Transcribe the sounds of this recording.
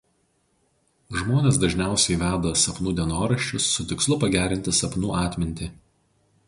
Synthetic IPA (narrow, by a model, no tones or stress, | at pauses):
ʒmoːnʲeːs̬d̪ɐʒʲnʲæˑʊsʲɛɪʋʲæːd̪ɐsɐpnuːd̪ʲɛnoːɾɐʃʲt͡ʃʲʊsːʊt̪ʲɪkslˠʊpɐɡʲæːɾʲɪnʲt̪ʲɪsɐpnuːɑːt̪ʲmʲɪnʲt̪ʲɪ